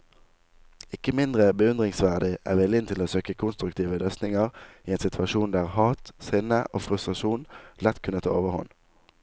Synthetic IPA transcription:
ɪkəmɪnd̪ʁəbəʉnd̪ʁɪŋsʋæʁd̪ɪʔæ̰ːʋɪlɪnt̪ʰɪloːsøːkəkʰʊnst̪ʁʉkt̪ʰiːʋəlœst̪nɪŋəʁiːeːnsɪt̪ʰʋɑʃuːnd̪æːʁhɑːt̪sɪnəʔoːfʁʉst̪ʁɑʃuːnlɛt̪kʰʉnət̪ʰɑ̰ːoːʋəhɔ̰n

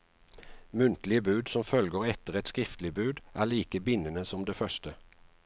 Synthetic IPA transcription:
mʉnt̪lɪəbʉːd̪sɔmfœlɡoːʁɛt̪əʁɛt̪skʁɪft̪lɪbʉːd̪ʔæːliːkəbɪnənəsɔmd̪eːfœʃt̪ə

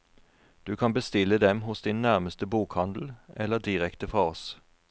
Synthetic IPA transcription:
d̪̥ʉːkʰɑnbəst̪ɪləd̪ɛmɦʊsd̪ɪnnæʁməst̪əbuːkhɑnd̪l̩ɛləd̪ɪʁɛkt̪əfʁɑːɔs

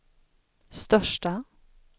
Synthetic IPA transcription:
st̪œʂʈə

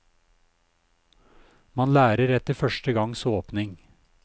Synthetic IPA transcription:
mɑnlæːɾəɾɛt̪əfœʃtəɡɑŋsoːpnɪŋ

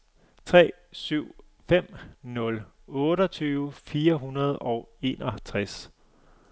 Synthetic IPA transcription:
t͡sʰʁɛ̰ː | syʊ̰ | fem̰nɔ̽l | ɔ̽ːɾɒt͡sʰyːʊfiːɐɦunɐð̞ˠɒʊe̝̰ːnɒt͡sʰʁas

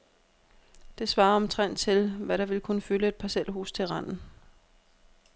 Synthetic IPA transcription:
d̥e̝sʋɑ̈ːɒ̽mt͡sʰʁɛn̰d̥̚t͡sʰe̝lʋæɾɑ̈ʋe̝lkʰunəføləe̝d̥̚pʰɑsel̰ɦṵːst͡sʰe̝lʁɑn̰n̩

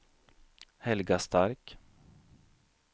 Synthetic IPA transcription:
hɛlɡast̪ʰaɾk

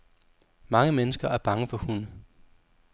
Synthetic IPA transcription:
mɑ̈ŋəmenəsɡ̥ɐæɐb̥ɑ̈ŋəfɒ̽hunə

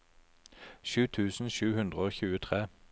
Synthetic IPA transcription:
ʃʉːt̪ʰʉːsn̩ʃʉːhʉnd̪ʁəoːçʉːət̪ʰʁeː

